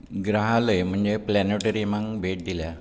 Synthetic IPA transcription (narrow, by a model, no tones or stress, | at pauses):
ɡɾaɦaləjm̤əɳd͡zeplɛneʈəɾimaŋbʱeʈ̚d̪ilja